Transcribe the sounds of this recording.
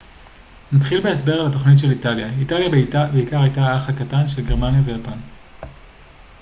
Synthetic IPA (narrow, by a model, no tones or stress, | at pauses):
natχilbeesbe̞ʁalato̞χnitʃe̞litaljaitaljabeikaʁajtaaχhakatanʃelɡe̞ʁmanjavejapan